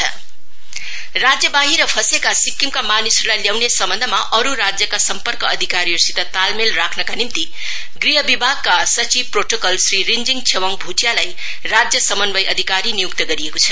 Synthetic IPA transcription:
rad͡zjʌbaɦiɾʌpʰʌsekasikːimkamanisʌrlajljawnesʌmbʌnd̪ʱʌmaʔʌɾuɾad͡zjʌkasʌmpʌrkʌːd̪ʱikaɾiorsit̪ːʌt̪almelrakʰnʌkanimt̪i | ɡriɦʌbibʱaɡ̚kasʌt͡sib̚proʈokʌlsɾiɾind͡ziŋt͡sʰewʌŋbʱutjalaj | rad͡zjʌsʌmʌnbʌjʔʌd̪ʱikaɾinijuk̚t̪ʌɡʌɾijekot͡sʰʌ̥

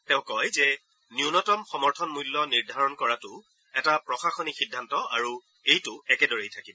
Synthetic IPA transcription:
tɛʊ̃kɔjzɛ | niunɔtɔmxɔmɔɹtʰɔnmulːɔniɹdʱaɹɔnkɔɹatʊ | ɛtapɹɔxaxɔnixidʱːantɔa̰ɹu | ejtʊɛkɛdɔɹejtʰakibɔ

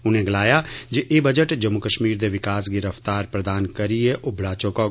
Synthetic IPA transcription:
ʊn̤ẽɡɐlaːjad͡ʒeʔebɐd͡ʒəʈd͡ʒɐmːukəʃmiːɾd̪eʋɪkaːsɡɪɾəft̪aːɾpɾɐd̪aːnkɐɾieʔʊbɽaːt͡ʃoko

